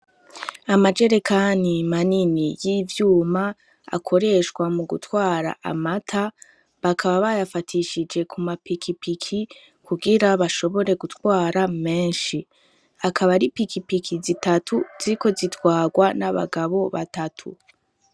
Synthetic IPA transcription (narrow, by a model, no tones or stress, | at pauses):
amad͡ʒe̞ɾekʰanimaninijiːvjuːma | a̰kʰo̞ɾe̞ʃkwamuɡutwaːɾa̰ʔa̰matʰa | βakʰaβaβajafatʰiʃid͡ʒe̞kʰumapikʰipikʰi | kuɡiɾaβaʃo̞βo̞ɾe̞ɡutwaːɾame̞ːnʃi | akʰaβaɾipikʰipikʰizitatʰuz̥iɾiko̞zitwaːɡwanaβa̰ɡaβo̞βa̰tatʰṵ